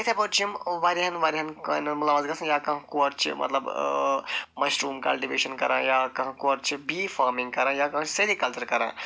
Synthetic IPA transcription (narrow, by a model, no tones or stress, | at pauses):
ɐt̪ʰepɐt͡ʃʰimʋaɾiɦɐnʋaɾiɦɐnkɐnmulaːʋɐzɡɐsʰɐ̃jaːkɐɦkoːɾt͡ʃʰimʔɐ̰t̪lɐb | mɐsʈɾuːmkɐ̰lʈiʋeːʃənkɐɾãːjaːkɐ̃ɦkoːɾt͡ʃʰibiːfʰaːɾmĩŋɡkɐɾãːjaːkɐ̃sɐɾikɐlt͡ʃɐɾkɐɾã̰ː